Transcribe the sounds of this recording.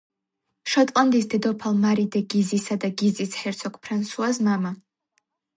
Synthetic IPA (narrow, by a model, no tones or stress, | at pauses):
ʃat̪ʼlʼand̪isd̪ɛd̪ɔpʰalmaɾid̪ɛɡizisad̪aɡizisħɛɾt̪sʰɔkʰʼpʰɾansuazmama